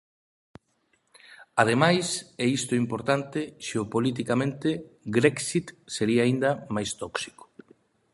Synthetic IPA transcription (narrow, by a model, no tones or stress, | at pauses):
að̞emajsɛist̪oimpoɾt̪ant̪eʃeopolit̪̬ikamẽnt̪eɡɾɛksit̪seɾiaːind̪amajst̪ɔksi̥ko̥